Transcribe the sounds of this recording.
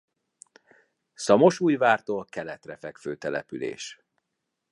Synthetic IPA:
sɒmo̞ʃuːjvaːrt̪oːlkɛlɛt̪rɛfɛkføːt̪ɛlɛ̰pylḛːʃ

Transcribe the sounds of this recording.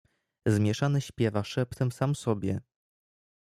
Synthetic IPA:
zmʲjɛʂanɘɕpʲjɛvaʂɛpt̪ɛmsamsɔbʲjɛ̰

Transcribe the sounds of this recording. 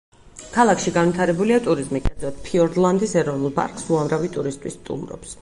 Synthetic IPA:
kʰalˠakʰʃiɡanvit̪ʰaɾɛbuliat̪ʼuɾizmikʼɛd̪zɔt̪̚pʰiɔɾd̪lˠand̪isɛɾɔvnulˠpʼa̰ɾkʼsuamɾavit̪ʼuɾist̪ʼwḭst̪ʼṵmɾɔ̰ps

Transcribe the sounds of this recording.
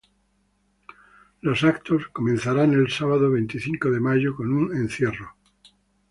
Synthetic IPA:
lo̞sakt̪osko̞mẽnθaɾanelsaβaðoβ̞ejnt̪iθiŋkoðemaʝoko̞nunẽnθje̞ro

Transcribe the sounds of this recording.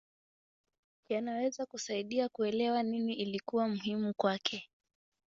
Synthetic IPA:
kjanawɛzakusaiɗiakuɛlɛwaniniʔilikuwamuɦimukwakʰɛ

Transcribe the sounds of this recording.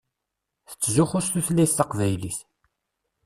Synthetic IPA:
θə̥t͡sːzʊχʊsθuθlːæjθθɑqvæjliθ

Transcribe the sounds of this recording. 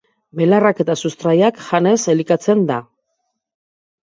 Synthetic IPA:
belarake̞t̪asust̪ɾajakʝane̞se̞likat͡se̞nd̪a

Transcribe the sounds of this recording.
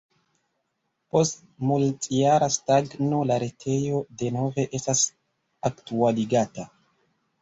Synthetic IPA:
post̚ | multʼijaɾastaɡnolaɾetʰe̞jo̞de̞no̞ve̞ʔestas | aktualiɡata

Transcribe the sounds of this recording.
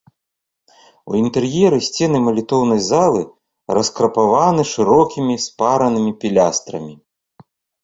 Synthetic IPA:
ṵint̪ɛrjɛɾɨsʲt͡sʲɛnɨmɐlʲit̪ɔwnɐjzalˠɨ | ɾɐskɾɐpavanɨʂɨɾɔkʲimʲispaɾɐnɨmʲipʲilʲast̪ɾɐ̰mʲi

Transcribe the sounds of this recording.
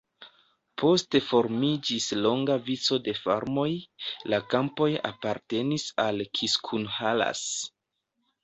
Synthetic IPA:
pʰo̞ste̞fo̞ɾmid͡ʒislo̞ŋɡavit͡so̞de̞fa̰ɾmo̞jlakampo̞ja̰paɾte̞nisalkʰiskʰunhala̰s

